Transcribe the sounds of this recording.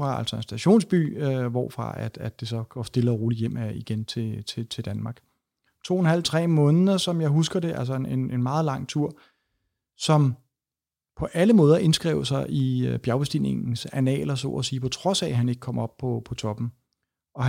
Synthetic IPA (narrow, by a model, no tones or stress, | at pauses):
ʁɑ̈æl̰sɒ̽e̝nsd̥æɕo̝̰ːnsb̥y̰ːøʋɒ̰ːfʁɑ̈æd̥æd̥e̝sɒ̽ɡ̥ɒsd̥e̝ləʁoːlijem̰æiɡ̥ent͡sʰe̝t͡sʰe̝t͡sʰe̝ld̥ænmɑ̈ːɡ̥ | t͡sʰo̝̰ːenhæl̰t͡sʰʁɛ̰ːmɔ̽ːnðˠɐsɒ̽mjɑ̈ɪɦusɡ̥ɐde̝ʔælsɒene̝ne̝nmɑ̈ːð̞̩ˠlɑ̈ŋ̰t͡sʰuɐ̰ | sɒ̽m | pʰɒ̽ʔæləmɔ̽ːðˠɐʔe̝nsɡ̥ʁɛ̰ʊ̰sɑ̈ɪʔib̥jæʊb̥esd̥ḭne̝ŋn̩sænɛ̰ːlɐsɔ̰ɒsiːpʰɒ̽t͡sʰʁɒ̽sɛɦæne̝ɡ̥ə̥kʰɒ̽m̰ɒ̽b̥̚pʰɒ̽pʰɒ̽t͡sʰɒ̽b̥n̩ | ɒ̽ɦ